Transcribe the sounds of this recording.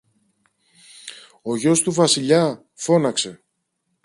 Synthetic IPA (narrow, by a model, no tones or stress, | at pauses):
o̞ʝo̞st̪uvɐsiʎɐ | fo̞nɐkse̞